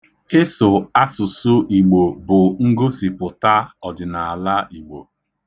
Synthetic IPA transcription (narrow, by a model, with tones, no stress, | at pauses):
ɪ˦sʊ˨a˦sʊ˨sʊ˦ʔi˨ɡ͡bo˨bʊ˨ŋ̩˦ɡo˦si˨pʊ˨ta˦ɔ˨d͡ʒɪ˨na˨a˨la˦i˨ɡ͡bo̰˨